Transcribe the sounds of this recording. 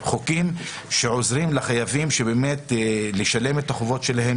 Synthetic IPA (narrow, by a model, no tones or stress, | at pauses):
χokim | ʃe̞ʕo̞zʁimlaχajavimʃebeːmetleʃale̞metaχovo̞tʃelaɦe̞m